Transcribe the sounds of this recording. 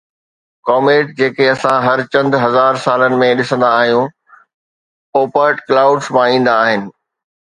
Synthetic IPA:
kɔːmeːʈ̚d͡ʑeːkeɐsãɦɐɾt͡ɕɐ̃nd̪ɦɐzaːɾsaːlənɪ̆mẽɗɪsə̃nd̪aːɦijũ | oːpəɾʈklaːʊɖsmãĩːn̆d̪aːɦɪnɪ̆

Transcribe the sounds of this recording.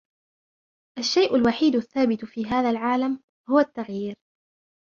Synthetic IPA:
ʔaʃːajʔʊlwaħiːd̪ʊθːaːbɪt̪fiːɦaːðalʕaːlam | hʊwat̪ːaɣjiːɾ

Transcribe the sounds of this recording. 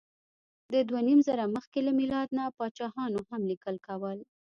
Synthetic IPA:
d̪əd̪wanimzaɾaməxkelamilɑd̪napɑt͡ʃɑhɑnohamlikəlkawəl

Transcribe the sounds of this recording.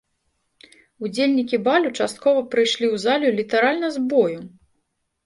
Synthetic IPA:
ud͡zʲelʲnʲikʲibalʲut͡ʂast̪̚kɔvɐpɾɨjʂlʲiwzalʲulʲit̪aɾalʲnɐzbɔju

